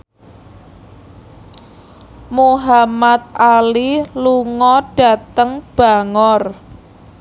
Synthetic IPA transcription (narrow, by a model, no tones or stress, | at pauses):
muɦamat̪̚aliluŋɔɖ̥a̤t̪əŋb̥a̤ŋɔr